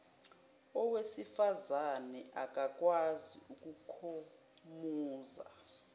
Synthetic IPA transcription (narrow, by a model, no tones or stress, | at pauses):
ɔwesifazanɛʔak̬ʼak̬ʼwaziuk̬ʼukʰo | muːza̰